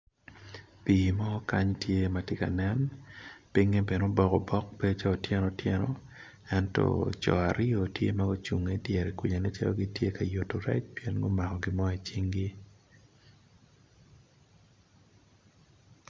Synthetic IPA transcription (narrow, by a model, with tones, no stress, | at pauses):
piː˨mɔ˦ka˦ɲtje˦ma˨tɪ˦ka̰˨nɛ˦npi˦ŋe˦be˨no˦bɔ˦kɔ˨bɔ˦k̚be˦o˦t͡ʃa˦o˨tjɛ˦nɔ˨tjɛ˦nɔ̰ | ɛ˦ntɔ̰˨t͡ʃɔ̰˨a˨ɾɪ˦o˨tjḛ˦ma˦ɡo˦t͡ʃu˨ŋe˦djɛ˨ɾi˨kwu˨ɲa˨ne˦t͡ʃa̰˦lo̰˦ɡɪ˦tje˦ka˨jo˨to˨ɾɛ̰˦t͡ʃpijɛ˦nɡo˦ma˨kɔ˨ɡɪ˦mɔ˦ɛ˨t͡ʃi˦ŋɡi˦